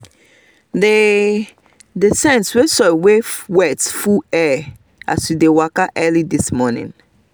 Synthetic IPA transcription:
de | desɛ̃nswesɔwewɛtfuɛ | a̰swidewakaʔɜlidismɔnḭ̃n

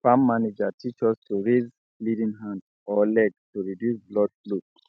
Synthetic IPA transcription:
fãmːanid͡ʒatʰit͡ʃɔstuɹez | lidĩŋɦãnd | ɔlɛɡtuɹidjusblɔd̚fluk

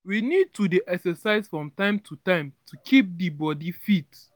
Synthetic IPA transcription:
winid̚tudiʔɛksɛsaɪz̥fɹɔ̃mtãɪ̃mtʰutãɪ̃mtʰukʰip̚dibɔdifit

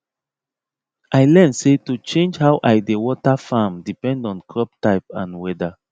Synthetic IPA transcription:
ʔajlɛnsetut͡ʃẽnd͡ʒɦaʊwʔajdewɔtafamdipɛ̃ndɔ̃nkʰɹɔp̚taɪpãnwɛda

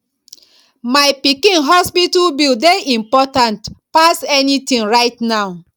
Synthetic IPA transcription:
majpikĩnɦɔspitulbildeĩmpɔtãntpasɛnitĩŋɹaɪtnaʊ

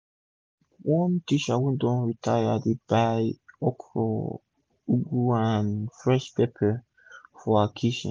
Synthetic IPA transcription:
wɔ̃ntit͡ʃawũndɔ̃nɹitʰajadeb̥ajɔkʰɹɔ̰ | uɡuanfɹɛʃpepʰə | fɔakʰiʃɔ̰̃

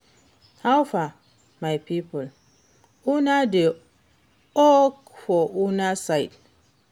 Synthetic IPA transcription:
hawfa | majpipul | unade | ɔkfɔʔunasajd

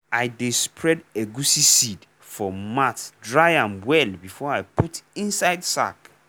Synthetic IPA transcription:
ajdespʰɹɛdeɡusisid | fɔmatdɹajãnwɛlbifɔajputĩnsaɪdsa̰k

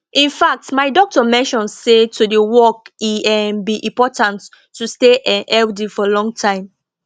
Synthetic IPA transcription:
ʔĩnfak̚tmaɪdɔk̚tɔmɛ̃nʃɔ̃nsetʰudewɔkiɛmbiʔĩmpɔtãntː | usteʔɛɛldifɔlɔ̃ŋɡtʰãɪ̃m

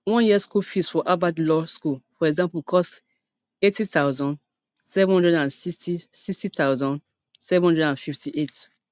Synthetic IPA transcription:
wɔ̃njiɛskulfisfɔʔabadlɔskulfɔɹɛɡzãmpukʰɔst | etitaʊzɔ̃n | sɛṽhɔ̃ndɹɛdãnsitisikstitaʊzɔ̃n | sɛṽhɔ̃ndɹɛdãnfiftiʔet

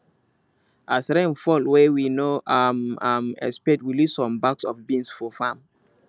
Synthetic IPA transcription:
ʔasɾẽnfɔlwɛwinoʔamamɛ̰spɛtwilisɔ̃mbaksɔfbĩnsfɔfãm

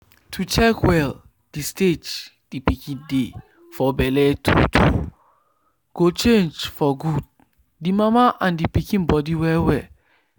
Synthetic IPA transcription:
tʰut͡ʃɛkwɛl | d̥isted͡ʒ | d̥ipikĩnde | fɔbɛlɛtʰṵtʰṵ | ɡ̥ot͡ʃẽnd͡ʒfɔɡud̚ | dimamaʔãndipikĩnbɔdiwɛwɛ

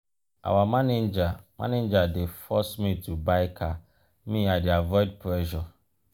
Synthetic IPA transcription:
ʔa̰wamãned͡ʒamʔã̰ned͡ʒadefɔsmĩtʰubaɪkʰa | mĩadɪavɔɪd̚pʰɾɛʃɔ

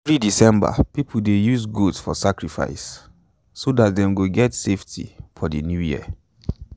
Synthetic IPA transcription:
fɹidisɛ̃mba̰pip̩ʰdejuzɡudsfɔ̰sakɹifa̰ɪs | sodatdɛ̃mɡoɡɛtseftʰḭfɔdənjujḭə

